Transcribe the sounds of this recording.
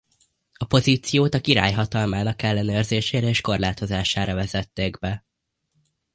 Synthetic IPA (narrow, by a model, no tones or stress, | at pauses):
ɒpo̞ziːt̪sijoːt̪ɒkiɾa̰ːjɦɒt̪ɒlmaːnɒkɛlːɛnøːrzeːʃeːɾɛeːʃko̞rlaːt̪o̞zaːʃaːɾɒvɛzɛt̪ːeːɡbɛ